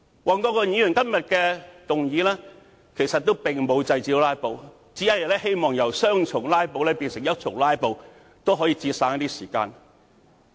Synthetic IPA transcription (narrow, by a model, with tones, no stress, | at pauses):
wɔː˨nkɔː˧kɔː˧ɲiː˨˧˥jy˨˩nkɐ˥mjɐ˨t̚kɛː˧t̪ʊ˨ŋjiː˨˧lɛː˥ | kʰe˨˩jsɐ˨t̪̚ːo˥wpɪ˨˩ŋmo˨˧wt͡sɐ˧jt͡siː˧˥laː˥jpo˨˧w | t͡siː˨˥jɐ˦˥jɐ˨˩lɛː˥he˥jmɔː˨ŋjɐ˨˩wsœː˥ŋt͡ʃʰʊ˨˩ŋlaː˥jpo˨˧wlɛ˥piː˧nsɪ˨˩ŋjɐ˥t̚t͡sʰʊ˨˩ŋlaː˥jpo˨˧w | t̪o˥wɦɔː˨˧˥jiː˧t͡siː˧t̚saː˧˥nɐ˥t̪i˥siː˨˩ka̰ː˧n